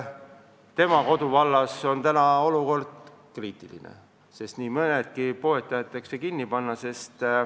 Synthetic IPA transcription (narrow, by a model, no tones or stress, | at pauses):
t̪e̞mɑko̞d̪uvɑlːɑso̞nt̪ænɑo̞luko̞rd̪̥ | kriːt̪ˑilḭnḛ | se̞st̪niːmɤne̞t̪kipo̞et̪ːˑɑjɑt̪ːˑeksekinːipɑnːɑse̞st̪